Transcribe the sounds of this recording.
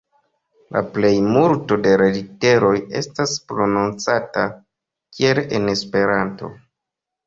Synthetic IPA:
la̰ple̞jmulto̞de̞ɾedite̞ɾo̞je̞̰staspɾo̞nunt͡sata | kie̞lene̞spe̞ɾanto̞̰

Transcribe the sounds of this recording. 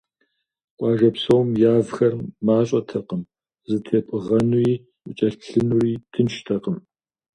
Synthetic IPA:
qʷʼɑːʒɐpsɐwmjaːvxɐrmaːɕʼɐtʰɐqəm | zɨtʰeːpʼɨʁɐnuiː | ʊt͡ʃʼɐɬɬɨnuriːtʰɨnʃtʰɐqəm

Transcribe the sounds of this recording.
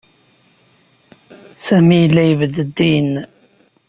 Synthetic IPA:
sæmijəlːæjəvəd̪əd̪ːiən

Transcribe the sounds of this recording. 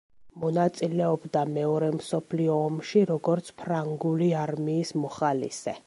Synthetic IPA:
mɔnat̪sʼilɛɔbd̪amɛɔɾɛmsɔpʰliɔːmʃiɾɔɡɔɾt̪sʰpʰɾaŋɡuliaɾmiːsmɔχalḭsɛ

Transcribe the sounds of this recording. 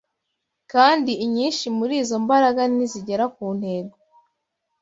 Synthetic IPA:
kaːndiiɲiːnʃimuɾiːzo̞mbaɾaɡaniziɟe̞ɾakuːn̥he̞ːɡo

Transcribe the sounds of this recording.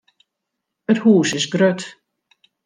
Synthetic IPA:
əthuːsɪsɡrøt

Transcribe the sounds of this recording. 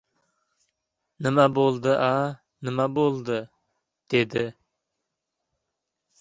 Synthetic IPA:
nɪmɛbolˠd̪ɨʔa | nɪmæbolˠd̪ɨ | d̪̥ed̪ɪ

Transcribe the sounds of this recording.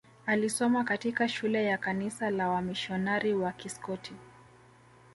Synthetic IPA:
alisɔmakatikaʃulɛjakanisalawamiʃɔnaɾiwakiskɔtʰi

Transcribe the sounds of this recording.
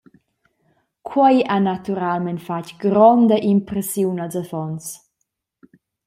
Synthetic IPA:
kʰwɛjʔanat̪uɾalmɛntfacɡ̥ɾɔnd̪əʔimpɾɛsjuwnalzafɔns

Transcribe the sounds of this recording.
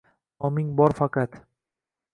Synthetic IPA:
ɒmɪŋbɒɾfɑqɑt̪

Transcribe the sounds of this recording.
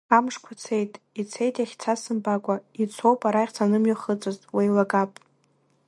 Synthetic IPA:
amʂkʷʰat͡sʰe̞jtʼ | it͡sʰe̞jtʼjaχʲt͡sʰasɨmbakʷʼait͡sʰo̞wpʼaɾaχʲt͡sʰanɨmɥaχət͡sʼɨztʼwejlaɡapʼ

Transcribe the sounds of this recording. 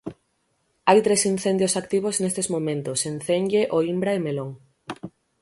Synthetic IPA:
ajt̪ɾesin̟θend̪josakt̪iβ̞oznest̪ezmõmẽnt̪osenθenʎeʔoimbɾaemeloŋ

